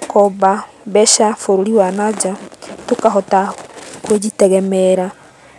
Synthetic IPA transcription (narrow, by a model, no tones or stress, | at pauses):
kɔba | bɛʃafoɾoɾiwanad͡ʒatokaɦɔtakued͡ʑitɛɣɛmɛɾa